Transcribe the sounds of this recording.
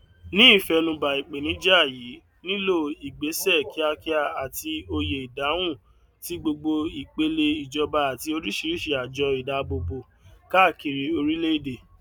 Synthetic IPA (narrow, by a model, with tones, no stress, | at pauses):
nĩ˦i˦˨fɛ˧nũ˧ba˨i˨k͡pe˨nĩ˨˦d͡ʒɛ˦a˦˨ji˨˦ | nĩ˦lo˦˨i˨ɡ͡be˨˦sɛ˦˨ki˨˦a˧ki˦a˧a˨ti˧o˧je˨i˨da˨˦w̃ũ˦˨ | ti˦ɡ͡bo˧ɡ͡bo˧i˨k͡pe˧le˧i˨d͡ʒɔ˧ba˧a˨ti˧o˧ɾi˦ʃi˨˧ɾi˦ʃe˨˧˨a˨d͡ʒɔ˧i˨da˨˦bo˧bo˧ | ka˦˨ki˨ɾi˧o˧ɾi˦le˦i˦˨de˨